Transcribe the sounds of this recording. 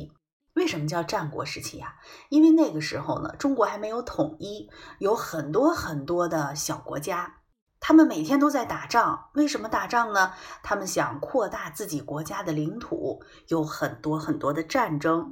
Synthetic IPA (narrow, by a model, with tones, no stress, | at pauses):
we˥˩ɪʂə˧˥nmə˧t͡ɕjɑ˥˧ʊʈ͡ʂa˥˩nkwɔ̰˧˥ʂɻ̩˧˥t͡ɕʰḭ˧˥˩a˨˩i˥nwe˥˧ɪne˥˩ɡə˩ʂɻ̩˧˥xo˥˧ʊnə̰˩ʈ͡ʂʊ˥ŋkwɔ˧˥xa˧˥ɪme˧˥ɪjo˧˥ʊt̪ʰʊ˨˩ŋi˥jo˧˥ʊxə˨˩nt̪wɔ˥xə˨˩nt̪wɔ˥d̪ə˨ɕjɑ˨˩ʊkwɔ̰˧˥t͡ɕja˥ | t̪ʰa˥mə˨nme˨˩ɪt̪ʰjɛ˥nt̪o˥ʊt͡sa˥˩ɪt̪a˨˩ʈ͡ʂɑ˥˩ŋwe˥˩ɪʂə˧˥nmə˧t̪a˨˩ʈ͡ʂɑ˥˩ŋnə˩t̪ʰa˥mə˨nɕjɑ˨˩ŋkʰwɔ˥˧t̪a˥˧t͡sɹ̩˥˩t͡ɕi˨˩kwɔ˧˥t͡ɕja˥d̪ə˨li˧˥ŋt̪ʰṵ˨˩˦ | jo˧˥ʊxə˨˩nt̪wɔ˥xə˨˩nt̪wɔ˥d̪ə˨ʈ͡ʂa˥˩nʈ͡ʂɤ˥ŋ